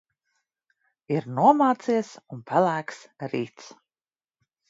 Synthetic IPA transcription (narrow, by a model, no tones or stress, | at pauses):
iɾnuɔmaːt̪siɛsunpʰalˠæːksɾiːt̪s